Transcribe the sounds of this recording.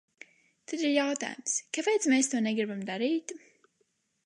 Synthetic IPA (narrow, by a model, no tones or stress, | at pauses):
t̪ad̪iɾjawt̪a̰ːjʊmskapejt̪smeːst̪uɔnɛɡɾibamd̪aɾiːt̪